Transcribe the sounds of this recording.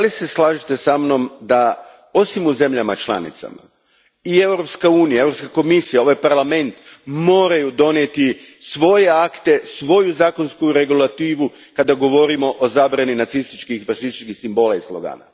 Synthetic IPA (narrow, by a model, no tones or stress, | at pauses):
alise̞slˠaːʒit̪e̞samno̞md̪a | o̞simuze̞mʎamat͡ʃlˠa̰nḭt̪sa̰ma̰ | ie̞wɾo̞pskauːnijae̞wɾopskako̞misijao̞ʋajpaɾlame̞nt̪mo̞ːɾajud̪o̞net̪isʋo̞je̞akt̪e̞sʋo̞juzaːko̞nskuɾe̞ɡulat̪iːʋu | kad̪aɡo̞ʋo̞ɾimo̞ʔozaːbɾaninat̪sist̪it͡ʃkixfaʃist̪it͡ʃkixsimbo̞laislˠoɡa̰ːna̰